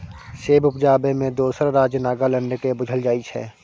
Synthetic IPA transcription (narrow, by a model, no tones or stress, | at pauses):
seːbʊpd͡ʒaːbemẽd̪oːsəɾɾaːd͡ʒjənaːɡalə̃ɳɖkebʊd͡ʒʱəld͡ʒaːit͡ʃʰɛ̰ː